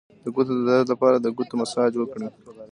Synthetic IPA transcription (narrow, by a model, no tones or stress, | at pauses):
d̪̥əɡut̪od̪əd̪aɾat̪lapɑɾad̪əɡut̪omasɑd͡ʒwəkɽi